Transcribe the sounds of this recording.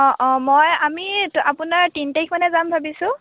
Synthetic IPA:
ɔʔɔ̃mojamiapʊnaɹtintekʰmanɛzambʱabisʊ̃

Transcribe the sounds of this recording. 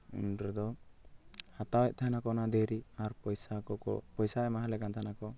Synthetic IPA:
ṵnɖɾd̪ɔ | hat̪awɛʔ̚t̪ʰaɦnakɔnad̪ɛɾiaɾpɔjsakɔɔ̰pɔjsaɛmaɦalɛkant̪ʰanakɔ

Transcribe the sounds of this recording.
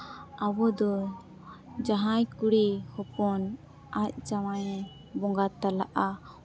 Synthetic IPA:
awɔd̪ɔ | d͡ʒaɦajkuɽihɔpɔn | ac̚t͡ʃawajɛ | bɔŋɡat̪alaʔa

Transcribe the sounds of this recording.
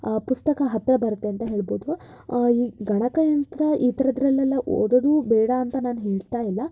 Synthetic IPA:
pust̪ɐkɐɦɐt̪ːɾɐbɐɾut̪ːe̞ɐnt̪ɐɦe̞ːɭboːd̪u | iːɡɐɳɐkɐjɐnt̪ɾɐʔiːt̪ɐɾɐd̪ɾɐlːɛlːɐʔo̰ːd̪ɐd̪uːbɛːɽɐːnt̪ɐnaːnuɦeːɭt̪aːjilːɐ

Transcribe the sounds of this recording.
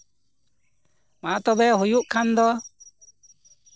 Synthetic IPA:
mat̪ɔbɛɦujuʔkʰand̪ɔ

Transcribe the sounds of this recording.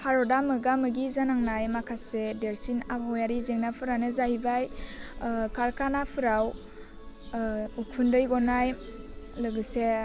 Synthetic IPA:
haɾɔdamɯɡamɯɡizanaŋnajmakʰasedeɾsinapawjaɾizeŋnapʰɯɾanɯzahibaj | kʰaɾkʰanapʰɯɾaw | ukʰundɯjɡɔnaj | lɯɡɯse

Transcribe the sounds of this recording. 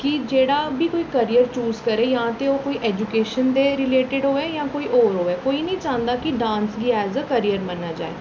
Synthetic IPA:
kid͡ʒeːɽaːbʱiːkoːikəɾijəɾt͡ʃuːzkəɾeːjaãːt̪eoːkoːiʔɛːd͡ʒukeːʃənd̪eɾɪleːʈɪɖɦoːeːjãːkoːiʔoːɾɦoːɛːkoːinəĩt͡ʃãːnd̪aːkiɖãːnsɡiɛːzəkəɾijəɾmənːaːd͡ʒa̰ːḛː

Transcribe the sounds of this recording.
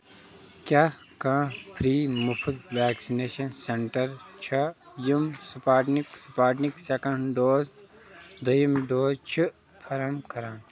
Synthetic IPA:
kʲjaː | kãːpʰɾiːmupʰud̪ʋaːksineːʃɐnseɳʈɐɾt͡ʃʰɐjumsupaːʈniksupaːʈniksekɐ̃ɳɖoːz | d̪ɐjimɖoːzt͡ʃʰi | pʰɐɾɐmkʰɐɾãːn

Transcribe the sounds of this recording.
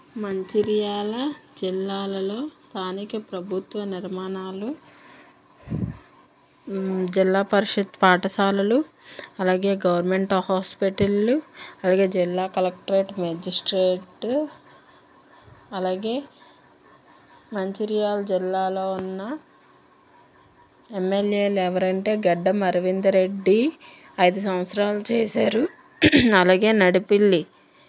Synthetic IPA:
mɐɲt͡ʃiɾijaːlɐd͡ʒilːaːlɐlo̞ːst̪ʰaːnikɐpɾɐbʱut̪ʋɐniɾmaːnaːlu | d͡ʒilːaːpɐɾiʃɐt̪paːʈɐsaːlɐlu | ɐlaːɡe̞ːɡɐʋɐɾme̞ɳʈɐfɦaːspiʈɐlːuɐlaːɡe̞ːd͡ʒilːaːkɐlɐk̚ʈɐɾeːʈmɐd͡ʒisʈɾeːʈ | ɐlaːɡe̞ː | mɐɲt͡ʃiɾijaːld͡ʒilːaːlo̞ːunːɐ | emːelje̞ːlɛʋɐɾɐɳʈe̞ːɡɐɖːɐmɐɾɐʋind̪ɐɾe̞ɖːi | ɐjd̪us̬ɐmʋɐt̪sɾaːlut͡ʃeːsaːɾu | ɐlaːɡe̞ːnɐɽipilːi

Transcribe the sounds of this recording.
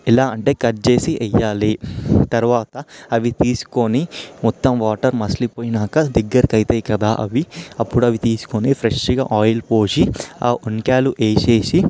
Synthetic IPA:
ilaːɐɳʈe̞ːkɐɾt͡ʃe̞ːsiʔɛjːaːlit̪ɐɾuʋaːt̪ɐɐʋit̪iːsu̥konimɔt̪ːɐmʋaːʈɐɾmɐslipoːjinaːkɐd̪ɛɡːɐɾikɐjt̪eːjkɐd̪aːʔɐ̰ʋiɐpːuɽuɐʋit̪iːsu̥konipʰɾeʂɡa̰ːʔaːjɐlpoːʃia̰ːʔunkaːluʔeːʃeːsi

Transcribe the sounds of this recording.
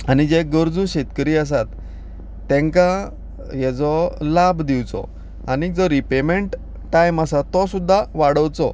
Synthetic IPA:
anid͡ʑeɡəɾd͡zuɕet̪kəɾiːəs̬at̪ː | ẽŋka | jɛt͡sɔlabd̪iwt͡sɔ̰ | anid͡zɔɾipemeɳʈ | ʈajmasat̪ɔsud̪ʱːaʋaɽəwt͡sɔ̰

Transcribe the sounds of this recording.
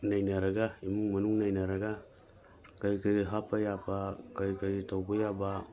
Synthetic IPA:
najnaɾaɡaimuŋmanuŋnajnaɾaɡa | kajkaɡiɦapajapakajkaɡitawɡojaba

